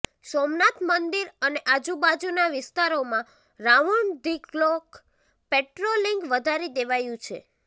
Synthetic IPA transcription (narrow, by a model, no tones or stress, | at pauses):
somnat̪mənd̪iɾəneʔad͡ʒubad͡ʒunaʋɪst̪aɾomã | ɾaʋuɳd̪iklok | peʈɾoliŋɡʋəd̪ʱaɾid̪eʋajũt͡ʃʰḛ